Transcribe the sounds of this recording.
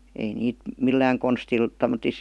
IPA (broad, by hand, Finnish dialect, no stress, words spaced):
ei niːt milːæːŋ konstil tomˑotis